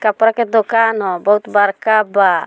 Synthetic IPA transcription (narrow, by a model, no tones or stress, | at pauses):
kapɾaked̪okanɦɔbɔɦut̪bəɾkaba